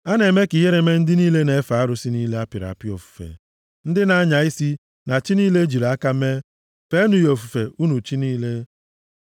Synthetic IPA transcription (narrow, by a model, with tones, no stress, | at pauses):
a˦ne˨me˦kɪ˨ɦe˦ɾe˨me˦n̩˦dɪ˦niː˦le˦ne˨e˦fa˨a˦ɾʊ˨si˦niː˦le˦a˦pɪ˨ɾa̰˨a˨pɪ˦o˨fu̥˨fḛ˨ | n̩˦dɪ˦na˨a˦ɲa˨i˦si˦ | na˨t͡ʃi˦niː˦le˦d͡ʒi˨ɾa˦ka˦me˦ | fe˦nu˨jo˨fu˨fe˨u˦nu˨t͡ʃi˦niː˦le˦